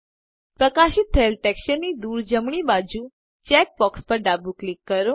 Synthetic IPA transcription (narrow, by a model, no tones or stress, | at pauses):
pɾəkaʃɪt̪ʰːəelʈɛkʃənːid̪uɾd͡ʒəmɳibad͡ʒũ | t͡ʃɛk̚bɔkspəɾɖabuklikːəɾo